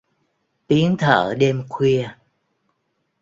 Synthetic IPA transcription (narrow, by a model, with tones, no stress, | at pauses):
t̪i˨˦əŋt̪ʰə̰ː˧˩ɗe˧mkʰwi˧ə